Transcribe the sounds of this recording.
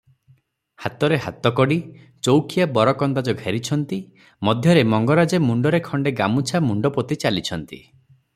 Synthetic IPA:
hat̪ɔɾeɦa̰t̪ɔkɔɽi | t͡ʃowkʰijabɔɾɔkɔnd̪ad͡ʒɔɡʱeɾit͡ʃʰɔnt̪i | mɔd̪ʱjɔɾemɔŋɡɔɾad͡ʒemuɳɖɔɾekʰɔɳɖeɡamut͡ʃʰamuɳɖɔpɔt̪it͡ʃalit͡ʃʰɔnt̪ḭ

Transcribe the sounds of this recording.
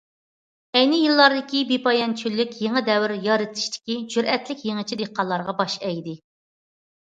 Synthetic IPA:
ɛjnɪjilˠːɑɾd̪ɨkʲibepɑjɑnt͡ʃʰylːykʲjeŋəd̪ɛwɪɾjɑɾɨt̪ʰɨ̥ʃt̪ʰɪ̥kʲid͡ʒyɾɛt̪lɪkʲjeŋət͡ʃʰid̪eqʰːɑlˠːɑɾʁɑbɑʃɛjd̪ɪ

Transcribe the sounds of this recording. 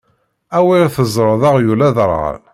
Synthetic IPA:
æwiθəzˤɾˤəðˤɑʁjulæðəɾˤʁə̰l

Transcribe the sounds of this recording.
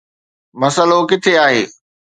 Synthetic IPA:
mɐsəlokɪt̪ʰeaːɦeː

